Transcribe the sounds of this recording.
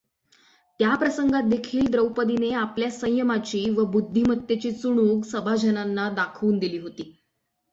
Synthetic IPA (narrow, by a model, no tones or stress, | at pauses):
t̪japɾəsəŋɡat̪̚d̪ekʰiːld̪ɾəwpəd̪ineapljasə̃j̃jəmat͡ɕiːʋəbud̪ʱːimət̪jet͡ɕiːt͡suɽ̃uːksəbʱad͡ʑʱənanːad̪akʰuːnd̪iliːɦot̪iː